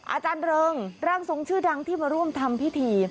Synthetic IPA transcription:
ʔa̰ː˧t͡ɕaː˧nɾɤː˧ŋɾaː˧˩ŋso˩˦ŋt͡ɕʰɯː˥˩da˧ŋt̪ʰiː˥˩maː˧ɾu˥˩əmt̪ʰa˧mpʰi˦˥˩t̪ʰiː˧

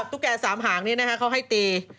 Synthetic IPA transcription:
p̚t̪u˦˥kːɛː˧saː˩˦mɦaː˩˦ŋni˦˥˩na˦˥kʰa˦˥kʰa˦˥wɦa˥˩jt̪iː˧

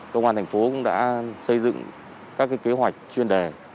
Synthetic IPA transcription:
kə˧wŋ͡maː˧nt̪ʰŋ̟fo˨˦kʊ̰˧˥ŋ͡mɗa̰ː˧˥sə˧jzɨ̰˧˨ŋ | kaː˦˥k̚ːaː˨˦jke˨˦ɦwa˨˩jk̟̚t͡ɕwi˧ənɗe˨˩

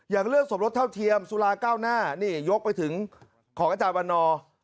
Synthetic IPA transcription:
jaː˨˩ŋɾɯ˥˩əŋ̚so˨˩˦m̚ɾo˦˥t̪ʰa˥˩wt̪ʰi˧əmsuː˧laː˧kaː˥˩wnaː˥˩niː˥˩jo˦˥k̚pa˧jt̪ʰɯ˩˦ŋ | kʰɔː˩˦ŋʔaː˧˩t͡ɕaː˧nba˧nːɔː˧

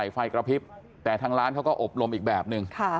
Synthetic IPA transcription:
jfa˧jkɾa˧pʰi˦˥p̚ | t̪ɛː˨˩t̪ʰaː˦˥ŋɾaː˦˥nkʰa˦˥wkɔː˥˩ʔo˨˩p̚lo˧mʔiː˨˩k̚bɛː˨˩p̚nɯ˧ŋkʰa˥˩

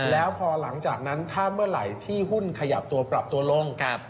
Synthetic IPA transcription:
lɛː˦˥wpʰɔː˧la˩˦ŋt͡ɕaː˨˩k̚na˦˥nt̪ʰaː˥˩mɯ˥˩ɐɾa̰˩˦jt̪ʰiː˥˩ɦu˥˩nkʰa˧ja̰˨˩p̚t̪u˧ɐpɾa˨˩p̚t̪u˧ɐlo˧ŋʰa˧˩p̚

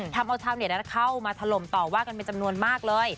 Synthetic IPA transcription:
t̪ʰa˧mʔa˧wt̪ʰaː˧wni˩˦˩na˦˥kʰa˥˩wmaː˧t̪ʰa˧lo˨˩˦mt̪ɔː˨˩waː˥˩ka˧npe˧nt͡ɕa˧mnu˧ənmaː˥˩k̚lɤː˧j

